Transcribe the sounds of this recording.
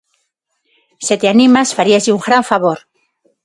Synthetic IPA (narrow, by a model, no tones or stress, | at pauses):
set̪eanĩmasfaɾiaziuŋɡɾaɱfaβoɾ